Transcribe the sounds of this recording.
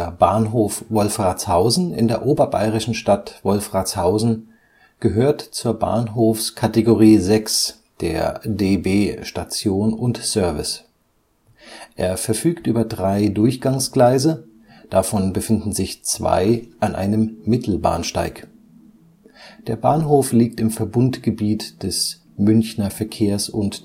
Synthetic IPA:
ɐbaːnɦoːfvɔlfʁaːt͡shaʊzn̩ɪ̰ndeːɐʔoːbɐba̰ɪʁɪʃn̩ʃtatv̥ɔlfʁ̥at͡shaʊzn̩ | ɡ̥əɦøːɐtt͡suːɐba̰ːnɦoːfskʰateɡoʁiːzɛks | d̥ḛːɐdeːbeːʃtat͡sjoːnʊntsœɐvɪ̰s | ʔeːɐfɛɐfyːktʔyːbɐdʁaɪdʊɐçɡ̥aŋsɡ̥laɪzə | d̥afɔnbəfɪndn̩zɪçt͡sv̥a̰ɪʔanʔa̰ɪnəmːɪtʰl̩ba̰ːnʃta̰ɪk | d̥eːɐbaːnɦoːfliːk̚tɪmfɛɐbʊntɡ̥əbiːtd̥ɛs | mʏnçnɐfɛɐkʰeːɐsʊnt

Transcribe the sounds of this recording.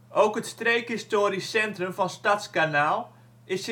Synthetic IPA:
ʔowkɦətstrejkɪstoːɾisɛntrəmvɑnstatskanaːlˠ | ɪs

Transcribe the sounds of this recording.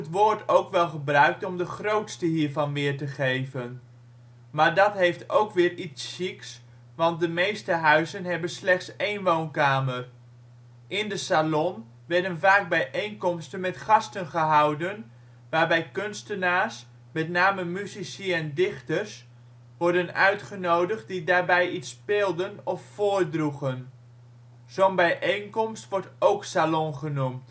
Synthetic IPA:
ətʋʊːɹtowkʋɛlˠχəbrœɥk̚tɔmdəχrowtstəɦiːɹvɑnʋɪːɹtəχejvən | maːɹdɑtɦejftowkʋɪːɹitsːiks | ʋɑnt̚dəmejstəɦœɥzənɦɛbənslɛχtsejnʋownkaːmər | ʔɪndəsalɔn | ʋɛɹdənvaːɡ̚bɛjʔejnkɔmstənmɛtχɑstənχəɦɑwdən | ʋaːɹbɛjkønstənaːs | mɛtnaːməmyzisiɛndɪχtərs | ʋɔɹdənœ̰ɥtχənowdəχt̚didaːɹbɛjitspeːlˠdənɔffoːrdruχən | z̥onbɛjʔejnkɔmstʋɔɹtowksalɔnχənumt

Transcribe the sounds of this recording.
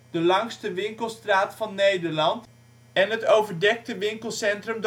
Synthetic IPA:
d̥əlɑŋstəʋɪŋkəlˠstraːtfɑnːejdəɹlɑnt | ɛnɦətowvəɹdɛk̚təʋɪŋkəlˠsɛntrəmd

